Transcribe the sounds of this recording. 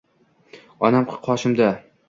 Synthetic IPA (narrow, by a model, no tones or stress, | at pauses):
ɒnamqʰɨ̥qʰɒʃɪmd̪a